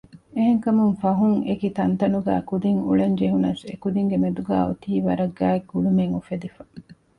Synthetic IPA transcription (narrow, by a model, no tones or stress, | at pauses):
eɦeŋkɐmuŋfɐɦuŋekit̪ɐnt̪ɐnuɡæ̰ːkud̪iŋṵɭɐɲd͡ʒeɦunɐsḛkud̪iŋɡemed̪uɡæ̰ːot̪iːʋɐɾɐɡːæːekːulumeŋufed̪ifɐ̥